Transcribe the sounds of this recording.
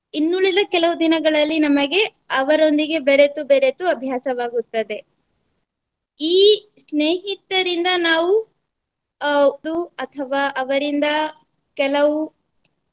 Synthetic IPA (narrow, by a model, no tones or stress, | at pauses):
inːuɭid̪ɐkɛlɐʋud̪inɐɡɐɭɐlːinɐmɐɡe̞ | ɐʋɐɾo̞nd̪iɡe̞beɾet̪ubeɾet̪uɐbʱjaːsɐʋaːɡut̪ːɐd̪e̞ | iː | sneːɦit̪ːɐɾind̪ɐnaːʋu | d̪uɐt̪ʰɐʋaːʔɐʋɐɾind̪ɐ | kɛlɐʋu